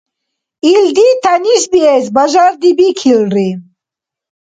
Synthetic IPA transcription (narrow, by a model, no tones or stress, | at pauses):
ild̪it̪aniʃbiez̬bɐʒaɾd̪ibikʰilɾi